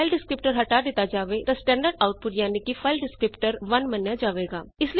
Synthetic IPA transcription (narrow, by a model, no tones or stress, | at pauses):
ɪlɖɪskɾɪpʈəɾɦɐʈaːd̪ɪt̪ad͡ʒaːʋet̪asʈɛ̃ːɳɖəɖaːʊʈ̚pʊʈjaːnikifʰaːɪlɖɪskɾɪpʈəɾʋɐnmɐnjad͡ʒaːʋeːɡaːɪsli